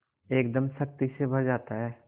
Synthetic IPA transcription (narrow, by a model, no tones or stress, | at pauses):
eːkd̪əmsɐk̚t̪isebʱɐɾd͡ʒaːt̪aɦɛː